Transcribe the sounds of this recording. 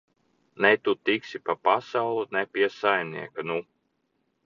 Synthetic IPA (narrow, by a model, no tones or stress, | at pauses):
nɛt̪ut̪iksʲipapasawlˠunɛpʲiɛsajmʲnḭɛkanu